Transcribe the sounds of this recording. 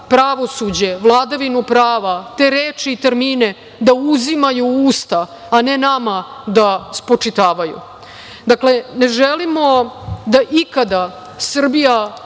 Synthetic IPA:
pɾaʋo̞sud͡ʑe̞ʋlˠaːd̪aʋinupɾaːʋat̪eːɾeːt͡ʃiːt̪eɾmiːne | d̪auzimajuuːst̪aː | nenamad̪aspɾot͡ʂit̪aːʋajṵ | d̪akle̞ne̞ʒelimo̞d̪aʔikad̪a | sr̩bija

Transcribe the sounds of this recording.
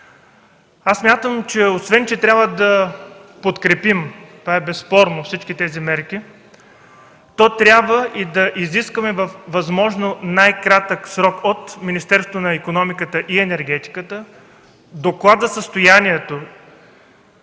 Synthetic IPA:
assmʲjat̪əmt͡ʃɛosvɛnt͡ʃɛt̪ɾʲabvəd̪ɐpot̪kɾɛpimt̪ovaɛbɛsːpɔɾnofsit͡ʃkʲit̪ɛzimɛɾk̟i | t̪ɔt̪ɾʲjabvəʔid̪ɐʔiziskəmɛvəfvɐzmɔʒnonajkɾat̪əksɾɔkot̪minist̪ɛɾsot̪onɐikonɔmikət̪əʔiɛnɛɾɡ̟ɛt̪i̥kət̪ə | d̪oklˠad̪zəsəst̪ojaniɛt̪o

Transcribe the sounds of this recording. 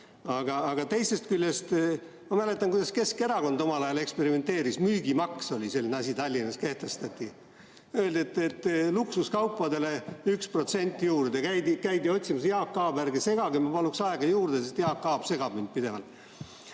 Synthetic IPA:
ɑɡ̥ɑːɡ̥ɑt̪e̞jse̞st̪̚kylʲːest̪ | mɑmæle̞t̪ːˑɑŋkujd̥̪ɑske̞ske̞ɾɑko̞nd̪̥o̞mɑlɑjɑle̞kspe̞ɾime̞nt̪e̞ːɾismyːɡ̥imɑkso̞lʲise̞lːineɑsʲit̪ɑlʲːinɑske̞ht̪e̞st̪ɑt̪ʲːˑi | øːld̪et̪ːˑet̪ːˑluksuskɑwpːˑɑd̪e̞le̞ykspro̞t̪se̞nʲt̪ʲːˑjuːrd̪ekæjd̪ikæjd̪io̞t̪ʲsimɑsejɑːkːɑːbærɡese̞ɡ̥ɑɡimɑpɑluksɑeɡ̥ɑjuːrd̪̥esest̪jɑːkːɑːb̥se̞ɡ̥ɑb̥mind̪̚pid̪e̞vɑ̰lt̪ˑ

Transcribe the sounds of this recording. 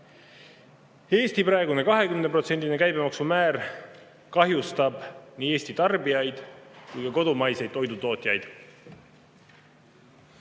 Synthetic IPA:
e̞ːst̪iprɑeɡune̞kɑɦe̞kymnepro̞t̪se̞nʲd̪ʲine̞kæjbe̞mɑksumæːr | kɑɦjust̪ɑb̥niːe̞ːst̪it̪ɑrbijɑjd̪̥kujkɑko̞d̪umɑjsejd̥̪ːo̞jd̪ut̪o̞ːt̪ʲːˑjɑjd̪̥

